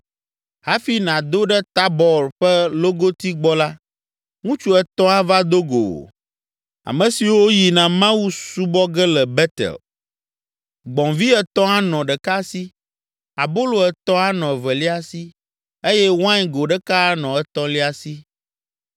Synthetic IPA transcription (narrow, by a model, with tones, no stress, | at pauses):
ha˦fi˦nã˨d̪o˦ɖɛ˦t̪a˦bɔ˨ɾɸɛ˦lo˦ɡo˦t̪i˦ɡ͡bɔ˦la˦ | ŋũ˦t͡ʃu˦ɛ˨t̪ɔ̃˦a˦va˦d̪o˦ɡo̰˨ | a̰˨mɛ̃˨si˨wo˦ji˨nã˨mã˦wu˦su˦bɔ˦ɡɛ˦lɛ˨bɛ˦t̪ɛ̰˨l | ɡ͡bɔ̃˨vi˦ɛ˦t̪ɔ̃˦a˦nɔ̃˨ɖɛ˨ka˦si˦ | a˨bo˦lo˨ɛ˨t̪ɔ̃˦a˦nɔ̃˨ɛ˨vɛ˨li˦a˨si˦ | e˦jɛ˦wã˦ɲ˦ɡo˨ɖɛ˦ka˦nɔ̃˨ɛ˦t̪ɔ̃˦li˦a˨si˦